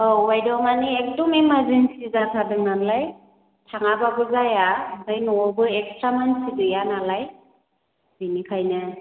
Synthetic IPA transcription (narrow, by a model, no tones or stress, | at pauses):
ɔwajdɔwmaniek̚dɔmemaɾzensizatʰadɯŋnanlaj | tʰaŋababɯzajaɯdajnɔɔbɯek̚stɾamansidɯjanalaj | zinikʰajnɯ